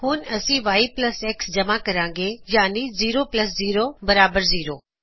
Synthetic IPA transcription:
ɦuːnɐsĩʋaːiplɐseːksd͡ʑɐmakɐɾãːŋɡeːjaːniziːɾoplɐsziːɾobɐɾaːbəɾziːɾoː

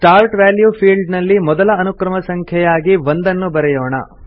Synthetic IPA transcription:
ʈaːɾʈʋaːljuːpʰiːɭɖnɐlːimɔd̪ɐlɐːnukɾɐmɐsɐŋkʰjɛjaːɡiʋond̪ɐnːubɐɾɛjɔːɳɐ̰

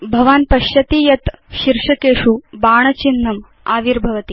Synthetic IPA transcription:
bʱɐʋaːnpɐʃjɐt̪iːjɐt̪ʃiɾʂɐkeːʂubaːɳ̃ɐt͡ʃinːɐm | aːʋiɾbʱɐʋɐt̪i

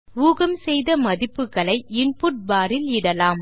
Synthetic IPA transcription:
uːɣɐmsɛjðɐmɐðɪpːɯkːɐɭɐɪɪɳpʊʈ̚baːɾɪlɪɽɐlaːm

